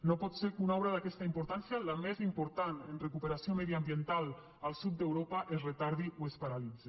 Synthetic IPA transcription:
nopɔt̪seɾkunɔβɾaðakɛst̪aimpuɾt̪ansjaləmezimpuɾt̪anenrekupeɾasiomeðiambient̪alˠ | əlˠsut̪̚d̪ewɾopəʔezret̪aɾðiʔuespaɾalid͡ze

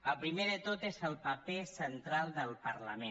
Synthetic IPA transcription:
əlˠpɾimeðət̪ot̪ezəlˠpəpesənt̪ɾalˠd̪əlˠpəɾləme

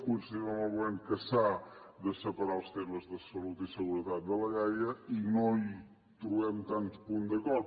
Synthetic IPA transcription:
kuɾsðiβãw̃ɐβwɛnkɐsaðəsəpɐɾalˠst̪emɐzðəsɐlut̪isəɣuɾəðat̪̚d̪əlɐɣajɐinõj | t̪ɾuɣɛmt̪ãnt̪upund̪ɐkɔɾ

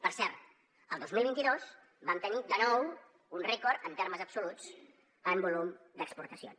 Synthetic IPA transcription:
pəɾsɛɾt̪ | əlˠd̪ozmilˠβint̪iðos | bamt̪ənid̪ənɔw | unrɛkɔɾt̪ənt̪erməzəpsulut͡s | əmbulumd̪əkspuɾt̪əsio̰

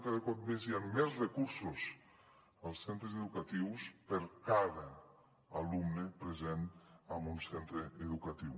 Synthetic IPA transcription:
kaðəkɔt̪̚mezianmɛzrekuɾsus | əlˠsent̪ɾezeðukat̪iwspeɾkaðaː | lumnepɾezenambunsent̪ɾeːðukat̪iw

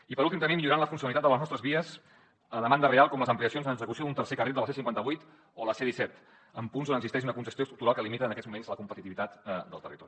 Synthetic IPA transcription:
ipəɾulˠt̪imt̪əmbimiʎuɾanləfunsiunəlit̪at̪dələznɔst̪ɾəzβiəs | əðəmand̪ərealˠkɔmləzəmpliəsionzənəɡzəkusiod̪unt̪ərsekərilˠd̪lˠsesiŋkwant̪əβujt̪ | oləseðisɛt̪ | əmpunzonəɡzist̪ɛʃ̬unəkunsəst̪josɾuk̚t̪uɾalˠkəlimit̪əːnəkɛd͡zzmumenzləkumpət̪it̪iβit̪at̪d̪əlˠt̪ərit̪ɔɾi

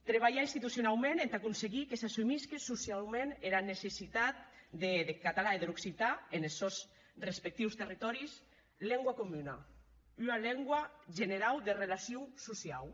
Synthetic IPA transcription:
t̪ɾeβ̞aʎainst̪it̪usjunalmenent̪akunseɣikesasumiskesusjalmẽneɾanesesit̪at̪̚d̪eðekat̪alaeðeɾuksit̪aenelsɔs | respek̚t̪iwst̪erit̪ɔɾis | lɛŋɡwakomyna | ynalɛŋɡwaʒeneɾawðerelasjuwsusjaw

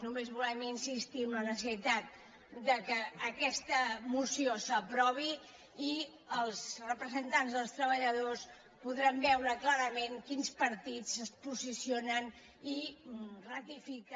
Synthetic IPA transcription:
numezβulɛminsist̪iəmlənəs̬əsit̪at̪̚ | d̪əkəːkɛst̪əmusiosəpɾɔβ̞iː | əlˠzrəpɾəzənt̪anzðəlˠst̪ɾəβəʎəðos | puðɾambɛwɾəklaɾəmenkinspəɾt̪it͡səspuzisionən | irət̪ifik

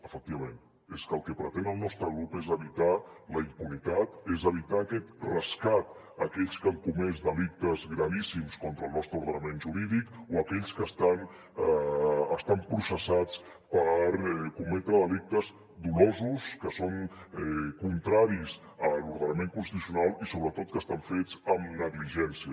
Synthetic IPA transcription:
əfək̚t̪iβɐmẽn | eskəlˠkɛpɾət̪enəlˠnɔst̪ɾəɣɾupezəβit̪aləimpunit̪at̪ezəβit̪aːkɛt̪rəskat̪ | əkɛʎskəŋkumɛzd̪əlik̚t̪əzɣɾəβisimskɔnt̪ɾəːlˠnɔst̪ɾəuɾðənəmẽnʒuɾiðikoəkɛʎskəst̪an | əst̪ampɾusəsat͡s | pəɾkumɛt̪ɾəðəlik̚t̪əz | d̪ulozuskəsoŋɛkunt̪ɾaɾiz | əluɾð̞ənəmeŋkunst̪it̪usiunalˠisoβɾət̪ot̪̚kəst̪aɱfed͡zəmnəɣliʒɛnsiə

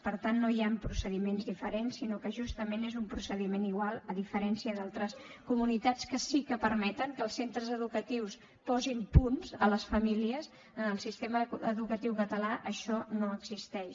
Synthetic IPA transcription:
pəɾt̪anːojampɾusəðimenzðifəɾensːinokəʒust̪əmenezumpɾusəðimeniɣwalˠəðifəɾɛnsiəðalˠt̪ɾəskumunit̪at͡skəsikəpəɾmɛt̪əŋkəlˠsent̪ɾəzəðukət̪iws | pɔzimpunzələsfəmiliəz | ənəlˠsist̪eməəðukət̪iwkət̪əlaʔəʃɔnoəɡzist̪ɛʃ

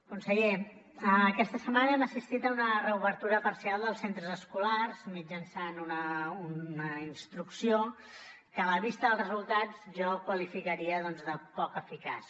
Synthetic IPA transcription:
kunsəʎe | əːkɛst̪əsəmanəɛməsist̪it̪əunərəuβəɾt̪uɾəpəɾsialˠd̪əlˠsent̪ɾəzəskularzmid͡ʒənsanunəuəinst̪ɾuksio | kəːləβist̪əðəlˠzrəzulˠt̪ad͡zʒɔkwəlifikəɾiəðɔnzðəpɔkəfika̰s

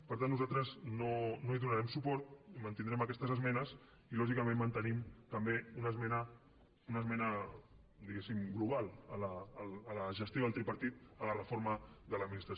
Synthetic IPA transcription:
pəɾt̪anːuzalt̪ɾəznonoiðunəɾɛmsupɔɾt̪mənt̪ind̪ɾɛməkɛst̪əzəzmɛnəs | ilɔʒikəmẽnːənt̪ənimt̪əmbeunəzmɛnə | unəzmɛnə | d̪iɣesimɡluβalˠələːlːləʒəst̪joðəlˠt̪ɾipəɾt̪it̪ələrəfoɾməðələd̪minist̪ɾəs

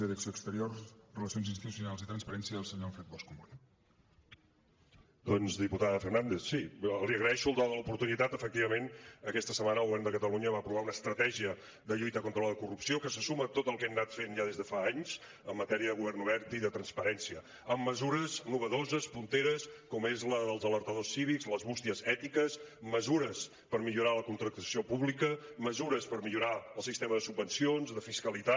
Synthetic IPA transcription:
əðəksjoəkst̪əɾjorsrələsijonzinst̪it̪usiunalˠzit̪ɾənspəɾɛnsjəðəlˠsəɲofɾɛt̪̚bɔskumuɾ | d̪ɔnzd̪iput̪aðəfərnand̪eθsiliəɣɾəðɛʃuəlˠd̪aðələupuɾt̪unit̪at̪əfək̚t̪iβəmenəkɛst̪əsəmanəlˠɣuβɛrnd̪əkət̪əluɲəβaːpɾuβaunəːst̪ɾət̪ɛʒiə | d̪əʎujt̪əkont̪ɾələləkurupsiokəsəsumət̪ot̪əlˠkɛmnat̪fenʒaðezðəfaaɲz | əmːət̪ɛɾiəðəɣuβɛrnuβɛɾt̪iðət̪ɾənspəɾɛnsiə | əmːəzuɾəznuβəðozəspunt̪eɾəskɔmezləðəlˠzələɾt̪əðosːiβ̞ikzləzβust̪iəzɛt̪ikəsməzuɾəs | pəɾmiʎuɾaləkunt̪ɾək̚t̪əsiopuβlikəməzuɾəspəɾmiʎuɾaəlˠsist̪eməðəsubːənsionzðəfiskəlit̪a

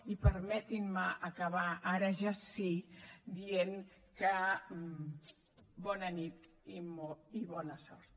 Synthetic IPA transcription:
ipəɾmɛt̪inməʔːkaβaʔaɾəʒasid̪ieŋ | kə | bɔnənit̪ | imɔiβɔnəsɔ̰ɾt̪

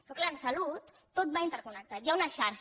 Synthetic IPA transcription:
pɾɔklalsalut̪ːot̪̚baint̪əɾkunək̚t̪ajaunəʃaɾʃ

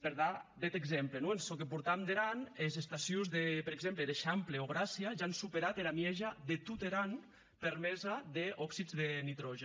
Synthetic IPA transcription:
peɾðabɛt̪eɡzemplenoensokep̬uɾt̪amd̪eɾanezest̪asjuzðepeɾeɡzempleðeʃampleoɣ̞ɾasjiaʒansupeɾat̪eɾamjɛʒaðet̪ut̪eɾan | peɾmɛzaðeɔksid͡zðenit̪ɾɔʒe

